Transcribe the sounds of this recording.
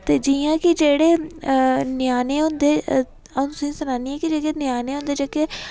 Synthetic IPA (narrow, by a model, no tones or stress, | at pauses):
t̪eːd͡ʒijãːkɪd͡ʒeːɽeː | nɪjaːneːɦʊ̃nd̪ẽː | ʊsĩːsʊnaːniːɛːkid͡ʒeːkenjaːneːɦõnd̪eːd͡ʒeːkeː